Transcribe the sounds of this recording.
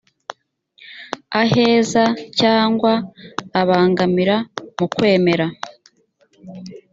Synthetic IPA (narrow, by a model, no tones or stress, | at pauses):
aɦeːzacaːŋɡwaːβaːŋɡamiɾamukwe̞ːme̞ɾa